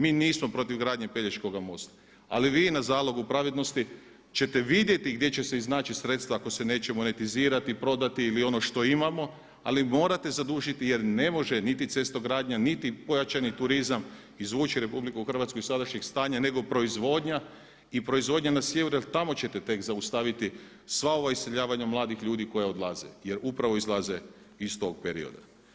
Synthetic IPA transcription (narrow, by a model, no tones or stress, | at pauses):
miːniːsmo̞pɾo̞t̪iʋɡɾaːd̪ɲe̞peʎet͡ʃko̞ɡamo̞̰st̪ḁ | a̰liʋiːnazaːlo̞ɡupɾaʋid̪no̞st̪i | t͡ɕe̞t̪e̞ʋid̪je̞t̪iɡd̪ʲje̞t͡ɕe̞se̞iznaːt͡ʃisɾe̞t̪st̪ʋaako̞se̞ne̞ːt͡ɕe̞mo̞ne̞t̪iziːɾat̪ipɾo̞d̪at̪iilio̞no̞ʃt̪o̞imamo̞ | a̰limo̞ːɾat̪e̞zad̪uʒit̪ije̞ɾne̞mo̞ʒenit̪it̪se̞st̪oɡɾaːd̪ɲanit̪ipo̞jat͡ʃanit̪uɾizam | izʋuːt͡ʃiɾe̞publikuxr̩ʋat̪skoisad̪aʃɲeɡst̪aːɲane̞ɡo̞pɾo̞izʋo̞ːd̪ɲa | ipɾo̞izʋo̞d̪ɲanasjeʋɾelt̪amo̞t͡ɕe̞t̪e̞t̪e̞kzaust̪aʋit̪i | sʋao̞ʋaist̪ʲeʎaːʋaɲamlˠaːd̪ixʎuːd̪iko̞jao̞d̪lˠazḛje̞ɾupɾaʋo̞izlˠaze̞ | ist̪o̞ɡ̚peɾḭo̰d̪a̰